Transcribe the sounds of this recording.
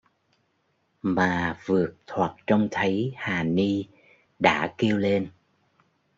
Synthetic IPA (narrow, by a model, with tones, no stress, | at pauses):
maː˨˩vɨ˨˩ək̚t̪ʰwa˨˩k̚t͡ɕɔ˧wŋ͡mt̪ʰə˨˦jhaː˨˩ni˧ | ɗa̰ː˧˥ki˧əwle˧n